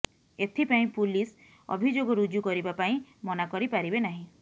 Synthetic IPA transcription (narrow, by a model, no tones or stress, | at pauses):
et̪ʰipaĩpulis | ɔ̰bʱid͡ʒoɡɔɾud͡ʒjukɔɾibapaĩmɔnakɔɾipaɾibenaɦĩ